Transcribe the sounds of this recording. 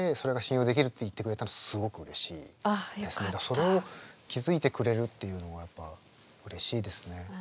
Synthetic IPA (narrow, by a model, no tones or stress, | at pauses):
eso̞ɾe̞ɡaɕĩjo̞ːd̪e̞kʲiɾɯ̟t̪ːeit̪ːe̞kɯɾe̞t̪anosɨɡo̞kɯ̟ɯ̟ɾe̞ɕḭːd̪e̞sɨned̪aso̞ɾe̞o̞kʲizɨit̪e̞kɯ̟ɾe̞ɾɯ̟t̪ːe̞jɯ̟ːno̞ɡajapːa | ɯ̟ɾe̞ɕiːd̪e̞sɨ̥ne̞